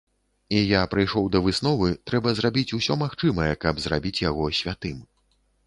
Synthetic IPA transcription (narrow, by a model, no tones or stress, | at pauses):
ijapɾɨjʂɔwd̪ɐvɨsnɔvɨt̪ɾɛbɐzɾabʲit͡sʲusʲɔmaxt͡ʂɨmɐjɛkɐbzra̰bʲit͡sʲjaɣɔsʲvʲat̪ɨm